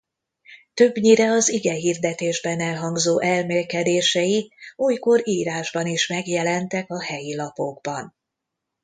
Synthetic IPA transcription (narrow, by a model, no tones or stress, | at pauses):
t̪øbɲiɾɛɒziɡɛɦiːrd̪ɛt̪eːʒbɛnɛlɦɒŋɡzoːʔɛlmeːlkɛd̪eːʃɛjiuːjko̞ɾiːɾaːʒbɒniʃmɛɡjɛlɛnt̪ɛkɒɦɛjilɒpo̞ɡbɒn